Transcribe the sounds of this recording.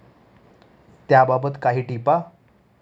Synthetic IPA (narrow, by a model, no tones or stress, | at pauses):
t̪jababət̪kaɦiːʈipa